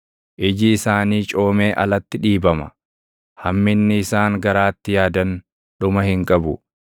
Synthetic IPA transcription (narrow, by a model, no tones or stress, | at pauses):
ʔɪd͡ʒɪːsaːniːt͡ʃʼo̞ːme̞ːʔɐlɐt̪ːɪᶑiːbɐmɐ̥̰ | hɐmːɪnːɪɪsaːŋɡɐɾaːt̪ːɪjaːd̪ɐn | ᶑʊmɐhɪŋkʼɐbʊ